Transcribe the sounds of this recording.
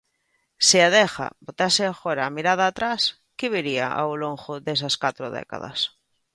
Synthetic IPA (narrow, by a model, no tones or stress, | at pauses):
sɪaðexa̰bot̪asɪafoɾaːmiɾað̞aːt̪ɾas | kɪβiɾiaʔa̰wloŋxoðes̬askat̪ɾoðɛ̰ka̰ða̰s